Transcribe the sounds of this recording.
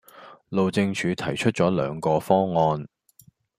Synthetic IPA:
lo˨wt͡sɪ˧ŋt͡ʃʰyː˨˧t̪ʰɐ˨˩jt͡ʃʰɵ˥t̚t͡sɔː˨˥lœ̰ː˨˧ŋkɔː˧fɔː˥ŋŋɔː˧n

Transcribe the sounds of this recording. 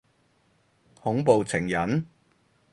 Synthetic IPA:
hʊ˨˥ŋpo˨wt͡sʰɪ˨˩ŋjɐ˨˥n

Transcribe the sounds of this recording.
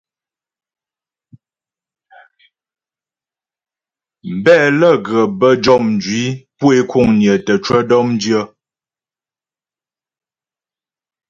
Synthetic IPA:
m̩˨bɛ˦˨lə˦˨ɡə˨bə˦d͡ʒɔ˦˨mn̩˨d͡ʒɥi˨˦pwe˦kʰu˦˨ŋnjə˨tə˨t͡ʃwə˦dɔ˦mn˦djə˦

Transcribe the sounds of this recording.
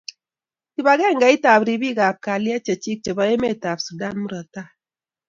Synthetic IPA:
ki˨ba˨ɡɛ˦˨ŋɡa˨˦i˦ta˨bɾi˨bi˦˨ɡa˨p̚ka˨li˦a˦t͡ʃe˨t͡ʃi˦k̚t͡ʃe˨ba˨e˦me˦˨ta˨bsu˨da˦nmu˦ɾɔ˨ta˦˨

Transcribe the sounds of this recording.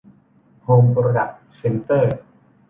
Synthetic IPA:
hoː˧mpɾo˧da˨˩k̚ | se˧nt̪əː˥˩

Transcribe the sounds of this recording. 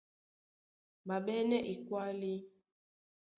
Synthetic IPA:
ba˨ɓɛ˦nɛ˦ʔi˨kwa˦li˦

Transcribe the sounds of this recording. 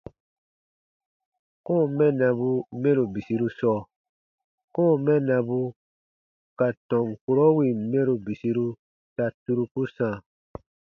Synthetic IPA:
kɔ̃ː˦˨mɛ˦nã˨bu˧mɛ̃˦ɾu˨bi˨si˧˦ɾu˦sɔ˦˨ | kɔ̃ː˦˨mɛ̃˦nã˧bu˦ | ka˨tɔ̃˨ŋku˦ɾɔ˦wi˨mɛ̃˦ɾu˨bi˨si˧ɾu˦ | ta˨tu˦ɾu˦ku˦sã˨

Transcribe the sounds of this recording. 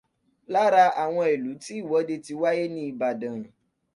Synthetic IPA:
la˦ɾa˧ʔa˨w̃ɔ̃˧e˨lu˨˦ti˦i˦˨wɔ˨˦de˧ti˧wa˦je˦nĩ˦i˧˨ba˨də̃˨

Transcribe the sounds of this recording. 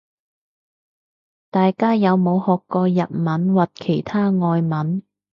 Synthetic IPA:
t̪aː˨jkaː˥jɐ˨˧wmo˨˧whɔː˨kːɔː˧jɐ˨t̚mɐ˨˥nwɐ˨t̚kʰe˨˩jt̪ʰaː˥ŋɔː˧jmɐ˨˥n

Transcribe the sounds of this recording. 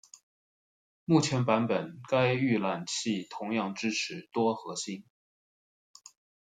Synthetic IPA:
mu˥˩t͡ɕʰjɛ˧˥npa˧˥npə˨˩nka˥ɪy˥˩la˨˩nt͡ɕʰi˥˩t̪ʰʊ˧˥ŋjɑ˥˧ŋʈ͡ʂɻ̩˥ʈ͡ʂʰɻ̩˧˥t̪wɔ˥xɤ˧˥ɕi˥n

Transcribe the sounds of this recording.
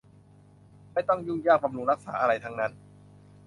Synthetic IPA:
ma˥˩jt̪ɔ˥˩ŋjuː˥˩jaː˥˩k̚ba˧mlu˧ŋɾa˦˥k̚sa̰ː˩˦ʔa˧ɾa˧jt̪ʰa˦˥ŋna˦˥n

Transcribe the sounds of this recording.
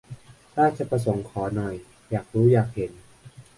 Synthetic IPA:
ɾaː˥˩t͡ɕa˨˩pɾa˧so˩˦ŋkʰɔː˩˦nɔ˨˩j | jaː˨˩k̚ɾuː˦˥jaː˨˩k̚he˩˦n

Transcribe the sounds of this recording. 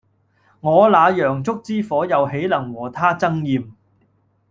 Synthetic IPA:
ŋɔː˨˧laː˨˧jœː˨˩ŋt͡sʊ˥k̚t͡siː˥fɔː˨˥jɐ˨˧wɦe˨˥jlɐ˨˩ŋwɔː˨˩t̪ʰaː˥t͡sɐ˥ŋjiː˨m

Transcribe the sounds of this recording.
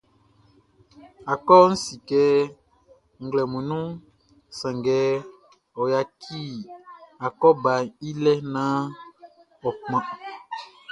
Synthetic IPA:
a˨kɔ˦n̩˦si˨kɛ˨˦ | ŋ̩˨ɡlɛ˨mu˨nũ˦ | sa˨ŋɡɛ˨˦ | ɔ˨ja˨kʰi˦ | a˨kɔ˦ba˨i˦lɛ˦na˦ | ɔ˨k͡pma˨

